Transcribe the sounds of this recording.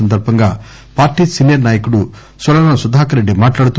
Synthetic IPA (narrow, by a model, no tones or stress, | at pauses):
ɐnd̪ɐɾpɐŋɡɐ | paːɾʈisinjɐɾnaːjɐkuɽu | sɐlɐnɐsud̪ʱaːkɐɾɐɽemaːʈlaːɽut̪u